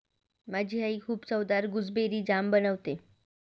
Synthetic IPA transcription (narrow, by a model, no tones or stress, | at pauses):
mad͡ʑʱiːɦaikʰuːbt͡səwd̪aɾɡud͡zbeɾiːd͡ʑambənəʋt̪e